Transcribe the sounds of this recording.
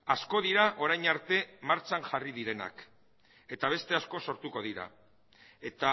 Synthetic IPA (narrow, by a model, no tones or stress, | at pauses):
asko̞ðiɾaʔo̞ɾajɲaɾt̪e̞maɾt͡ʃaŋʝarið̞iɾe̞na̰k | e̞t̪aβe̞st̪e̞asko̞so̞ɾt̪uko̞ð̞iɾa̰ | e̞t̪a